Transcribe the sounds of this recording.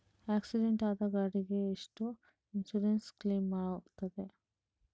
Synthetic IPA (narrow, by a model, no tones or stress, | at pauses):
aːksiɖeɳʈaːd̪ɐɡaːɽiɡeːʂʈu | insuɾenskliːmːaːɽoːkt̪ɐd̪e